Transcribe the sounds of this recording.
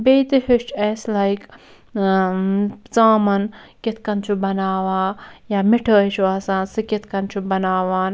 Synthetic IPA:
beːt̪ihit͡ʃeslajk | t͡saːmɐnket̪̚ʰkɐnt͡ʃʰubɐnaːʋaːjaːmiʈʰəːt͡ʃʰuaːsansɨkʲet̪̚ʰkɐnt͡ʃʰubɐnaːʋaːn

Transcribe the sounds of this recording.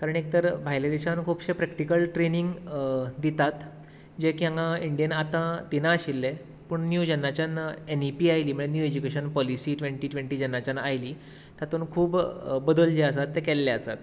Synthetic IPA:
kaɾəɳek̚t̪əɾbʱajled̪it͡ɕãnkʰuːpɕepɾɛkʈikəlʈɾeniŋɡd̪it̪at̪ | d͡ʑekijãŋãiɳɖijənat̪ãt̪inãːɕilːe | pəɳnjud͡ʑənːat͡ɕanenipiːajliːm̤əɭ̃enjued͡ʑukeɕənpɔlisiːʈʋẽɳʈiːʈʋẽɳʈiːd͡ʑənːat͡ɕanajliː | t̪jat̪uːnkʰuːbbəd̪əld͡ʑeəs̬at̪ːekɛlːeəsa̰t̪

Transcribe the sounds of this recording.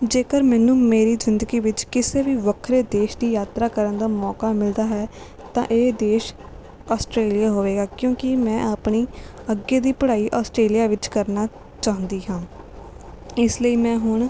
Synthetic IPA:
d͡ʒeːkəɾmɛːnũːmeːɾiːzɪnd̪əɡiːʋɪt͡ʃkɪseːʋiːʋəkʰɾeːd̪eːʃd̪iːjaːt̪ɾaːkəɾənd̪aːmɔːkaːmɪld̪aːɦɛː | t̪ã̰ːʔeːd̪eːʃ | aːsʈɾeːlijaːɦoːʋeːɡaːkjõːkɪmɛ̃ːʔaːpɳiː | əɡeːd̪iːpəɽaːiːʔaːsʈɾeːlijaːʋɪt͡ʃkəɾnaː | t͡ʃaːɦə̃nd̪iːɦãː | ɪsləiːmɛ̃ːɦʊɳ

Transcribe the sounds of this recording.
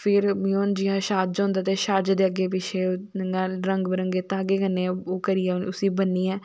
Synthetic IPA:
pʰɪɾmioːnd͡ʒɪɦãːʃaːd͡ʒɦõːnd̪aːt̪eːʃaːd͡ʒd̪eːəɡeːpɪt͡ʃʰeːəŋɡãːɾəŋɡbɾəŋɡeːt̪ãːəɡeːkənːeoːkəɾijɛːʊsĩːbənːiːɛː

